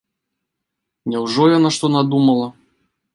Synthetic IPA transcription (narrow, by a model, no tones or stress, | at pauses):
nʲɛwʐɔjanaʂt̪ɔnad̪umɐlˠɐ